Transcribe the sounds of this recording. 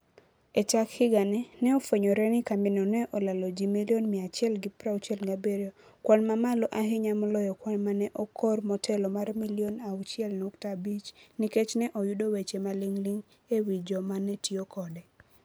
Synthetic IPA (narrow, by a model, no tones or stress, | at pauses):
et͡ʃakhɪɡanɛnɛɔfweɲoɾɛnɪkambɪnɔnɛʔɔlalɔd͡ʒimiljonmɪat͡ʃɪɛlɡɪpɾawut͡ʃɛlŋɡabeɾjo | kwanmamalɔʔaɦɪɲamɔlɔjɔkwanmanɛʔɔkʰɔrmɔtʰɛlɔmarmilionawt͡ʃɪɛlnuktabit͡ʃniket͡ʃnɛʔɔjudowet͡ʃemalɪŋliŋ | ewid͡ʒɔmanɛtiokɔdɛ